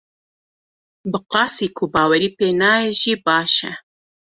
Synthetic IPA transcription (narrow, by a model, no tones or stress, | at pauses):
bɨqɑːsiːkʰʊbɑːwɛɾiːpeːnɑːeʒiːbɑːʃɛ̰